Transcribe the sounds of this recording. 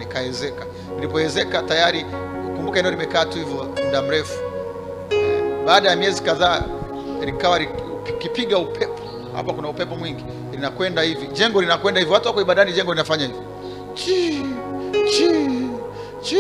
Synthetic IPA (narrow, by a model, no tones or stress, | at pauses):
nikaɛzɛka | nilipɔɛzɛkatajaɾi | kumbukaɛndɛɔlimɛkaːtuhivjɔmuɗam̩ɾɛfu̥ | ɛɓaːɗajamiɛzikaðaː | ɾikawaɾikipiɠaupʰɛpʰɔ̥ | ha̰pakunaupɛpɔmwiŋɡi | ɾinakwɛndahiviʄɛŋɡɔlinakwɛndahivjɔwatuwakɔiɓaɗaniʄɛŋɡɔlinafaɲahivɔ | t͡ʃi | t͡ʃi | t͡ʃ